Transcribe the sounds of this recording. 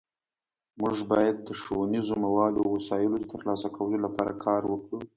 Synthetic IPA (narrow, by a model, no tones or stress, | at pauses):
muʐbɑjad̪̚ːəʂowanizomawɑd̪owasɑjəlod̪ət̪əɾlɑsakawəlolapɑɾa̰kʰɑɾwəkɽu